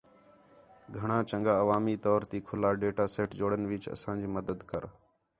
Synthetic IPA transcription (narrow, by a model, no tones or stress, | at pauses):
ɡʱəɳ̃ãːt͡ʃə̃ŋɡaːəʋaːmiːt̪ɔːɾt̪iːkʰʊlaːɖeːʈaːseːʈd͡ʒoːɽənʋɪt͡ʃə̰sãːd͡ʒiːməd̪əd̪kəɾ